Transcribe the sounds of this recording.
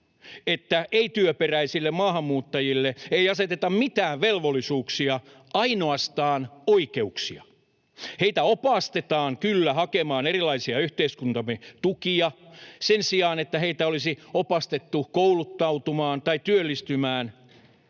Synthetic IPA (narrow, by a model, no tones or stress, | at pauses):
et̪ːæʔeit̪yøperæisilːemmɑːhɑmːuːt̪ːɑjilːeeiɑset̪et̪ɑmmit̪æːʋʋelʋolːˑisuːksiɑ | ɑinoɑst̪ɑːnoikeuksḭɑ | heit̪æopɑst̪et̪ɑːŋkylːæhɑkemɑːnerilːˑɑisiɑyht̪eiskunt̪ɑmet̪ukiɑsensiɑːnet̪ːæheit̪æolisiopɑst̪et̪ːukoulut̪ːɑut̪umɑːnt̪ɑit̪yølːist̪ymæːn